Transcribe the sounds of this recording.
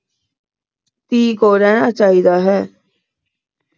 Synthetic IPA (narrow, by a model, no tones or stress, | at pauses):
t̪iːkoːɾɛːñãːt͡ʃaːiːd̪aːɦɛː